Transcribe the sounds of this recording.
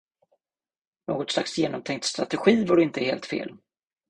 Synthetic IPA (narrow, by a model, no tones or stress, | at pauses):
noːɡɔt̪slaksjeːnɔmt̪ʰɛŋk̚t̪st̪ɾat̪ɛɧiːvɔɖɪnt̪əheːlt̪fḛːl